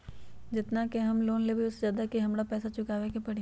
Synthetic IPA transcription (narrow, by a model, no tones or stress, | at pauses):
d͡ʒɪt̪nakeɦɐmloːnlebʱiʊszjaːd̪akiɦɐmɽapɛːsat͡ʃʊkaːʋekepɐɽi